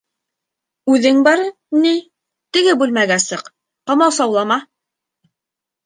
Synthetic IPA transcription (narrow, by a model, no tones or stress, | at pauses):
ʉðɘŋbɑɾɤ | ni | t̪ɘ̆ɡɘbʉlmæɡæsɤq | qɑmɑwsɑwlˠɑmɑ